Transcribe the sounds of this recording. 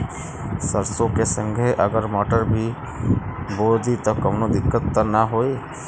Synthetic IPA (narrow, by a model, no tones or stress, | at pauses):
səɾsõkesə̃ŋɡʱeʔəɡəɾmɔːʈəɾbʱi | boːld̪it̪okəmnod̪ɪkːət̪ːənaɦoːi